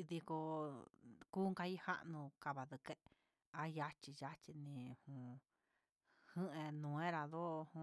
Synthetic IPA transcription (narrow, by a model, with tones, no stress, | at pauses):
ði˧ko˧ | kuː˦ŋka˧i˦ha̰˦ʔnũ˧ka˧βa˨ðɨ˧ke˧ | a˦ja˦t͡ʃi˧ja˦t͡ʃi˧nĩ˧hũ˧ | hɨ̃˦ʔẽ˧nũ˨˧ẽ˦ɾa˧ðo˦˧hũ˧